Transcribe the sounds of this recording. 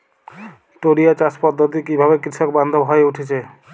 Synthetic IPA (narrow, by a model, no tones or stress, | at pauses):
ʈoɽiat͡ɕaspɔd̪ːot̪̬ikibʱabekɾiʃɔk̚band̪ʱobʱɦɔeuʈʰet͡ɕʰe